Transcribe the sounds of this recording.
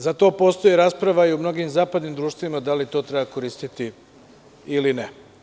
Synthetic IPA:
zat̪o̞ːpo̞st̪o̞jeɾaːspɾaʋaiumno̞ɡimzaːpad̪nimd̪ɾuːʃt̪vimad̪alit̪o̞ːt̪ɾe̞bako̞ɾiːst̪it̪i | iline

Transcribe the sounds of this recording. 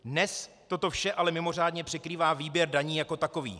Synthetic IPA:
dnɛs | t̪o̞t̪o̞fʃɛʔalɛmɪmo̞r̝aːdɲɛpr̥ɛkɾiːvaːviːbjɛɾdaɲiːjako̞t̪ako̞vḭː

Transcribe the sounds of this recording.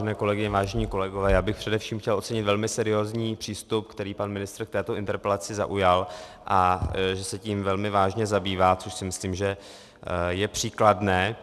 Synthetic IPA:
ɛnɛːko̞lɛɡɪɲɛvaːʒɛɲiːko̞lɛɡovɛːjaːbɪxpr̥ɛdɛfʃiːmxcɛlʔo̞tt͡sɛɲɪt̪vɛlmɪsɛɾɪjoːzɲiːpr̥iːst̪upkt̪ɛɾiːpanmɪnɪst̪ɾkt̪ɛːt̪oʔɪnt̪ɛɾpɛlat͡sɪza̰ʔujalʔaʒɛsɛciːmvɛlmɪvaːʒɲɛzabiːvaːt͡soʃsɪmɪsliːmʒɛ | jɛpr̥iːkladnɛː

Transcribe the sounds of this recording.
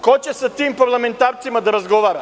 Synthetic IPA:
kot͡ɕesat̪iːmpaɾlˠame̞nt̪aːɾt̪simad̪aɾazɡo̞ʋaːɾa

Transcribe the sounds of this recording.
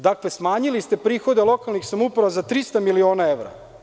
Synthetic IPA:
d̪akle̞smaːɲilist̪epɾiːxo̞d̪elˠo̞kalnixsamupɾaʋazat̪ɾist̪amilio̞ːnaeʋɾa̰

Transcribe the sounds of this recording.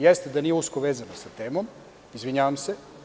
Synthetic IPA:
jɛst̪ed̪anijeuskoʋeːzanosat̪eːmom | izʋiɲaʋamse

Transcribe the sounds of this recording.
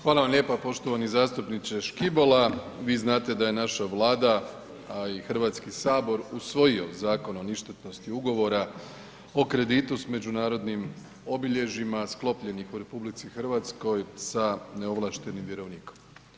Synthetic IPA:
xʋaːlˠaʋamʎe̞ːpapo̞ʃt̪o̞ʋanizaːst̪upnit̪seʃkibo̞laʋiːznaːt̪e̞d̪aje̞naʃaʋlˠaːd̪a | ixrʋaːt̪skisaːbo̞ɾusʋo̞jio̞zaːko̞noniʃt̪et̪no̞st̪iuɡo̞ʋo̞ɾa | o̞kɾe̞d̪it̪usme̞d͡ʒunaːɾo̞d̪nim | o̞biʎe̞ʒimasklˠo̞pʎe̞nixuɾe̞publit̪sixɨr̩ʋaːt̪sko̞jsane̞o̞ʋlˠaʃt̪e̞nimʋje̞ɾo̞ʋniːko̥m

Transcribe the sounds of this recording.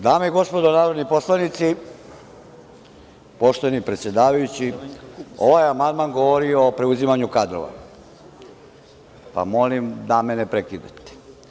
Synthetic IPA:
d̪aːmeiɡo̞spo̞d̪onaːɾod̪nipo̞slanit̪si | po̞ʃt̪onipɾet̪sje̞d̪aːʋajut͡ɕi | o̞̰ʋajamand̪manɡo̞ʋoɾioːpɾeuzimaɲukad̪ɾo̰ʋa̰ | pa̰mo̞limd̪amenepɾekid̪a̰t̪e̥

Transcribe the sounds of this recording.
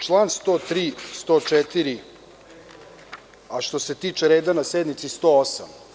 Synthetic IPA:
t͡ʃlˠanst̪oːt̪ɾiːst̪oːt͡ʃɛt̪iɾi | aʃt̪o̞se̞t̪iːt͡ʃeɾeːd̪anased̪nit̪sist̪oosa̰m

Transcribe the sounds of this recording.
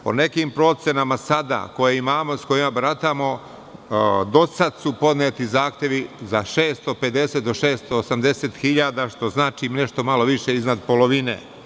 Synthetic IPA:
po̞̰ne̞kimpɾo̞t̪sʲjenamasad̪a̰ko̞jeimaːmosko̞jimabɾat̪amo̞ | d̪o̞sad̪supo̞d̪neːt̪izaːxt̪je̞ʋizaʃeːst̪o̞pe̞d̪e̞se̞t̪̚d̪o̞ʃeːst̪oːsamd̪e̞set̪xiʎaːd̪aʃt̪o̞znaːt͡ʃine̞ʃt̪o̞malo̞ʋiʃe̞iznad̪po̞lo̞ʋinḛ

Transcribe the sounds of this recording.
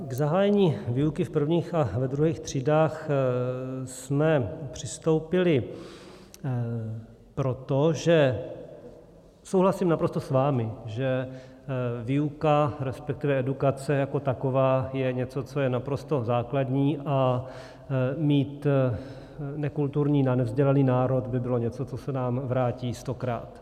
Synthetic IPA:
ɡzaɦaːjɛɲiːviukɪfpr̩vɲiːxavɛd̪ɾuɦiːxt̪r̝̥iːdaːx | smɛpr̝̥ɪst̪owpɪlɪ | pɾo̞t̪oʒɛ | sowɦlasimnapɾo̞st̪osvaːmɪʒɛ | vɪukaɾɛspɛk̚t̪ɪvɛɛdukat͡sɛjako̞t̪akovaːjɛɲɛt͡so̞t͡so̞jɛnapɾo̞st̪o̞zaːkladɲiːʔa | miːt̪ | nɛkult̪uɾɲiːnanɛvzɟɛlɛniːnaːɾo̞t̪bɪbɪlo̞ɲɛt͡so̞t͡sosɛnaːmvɾaːciːst̪o̞kɾa̰ːt̪

